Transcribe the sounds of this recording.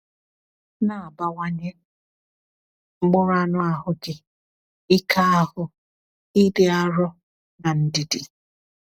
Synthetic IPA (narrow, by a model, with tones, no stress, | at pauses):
na˨a˨ba˦wa˦ɲe˦ | ŋ͡m̩˦ɡ͡bʊ˦ɾa˦nʊ˦a˨ɦʊ˦ɡɪ˨ | i˦kʰa˦a˦hʊ˦ | i˦dɪ˦a˦ɾɔ˦ | na˨n̩˨dɪ˨di˨